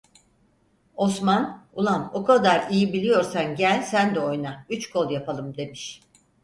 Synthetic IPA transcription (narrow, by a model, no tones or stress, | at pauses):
o̞smanulˠamokʰad̪aɾijibilʲijo̞ɾsanɟælʲsænd̪ɛo̞jnayt͡ʃkʰo̞lˠjapʰalˠɯmd̪e̞miʃ